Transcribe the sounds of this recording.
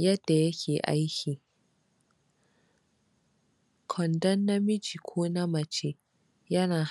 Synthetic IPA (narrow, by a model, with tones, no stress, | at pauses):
jɐ˦dːa˨jɐ˦kʲʰeː˨ʔa̰˦jkʲʰiː˨ | kʰɔ˨ndɐ˦nːa˦mɪ˦d͡ʒi˨kʷʰoː˦na˦mɐ˨t͡ʃe˦ | jɐ˦naː˨h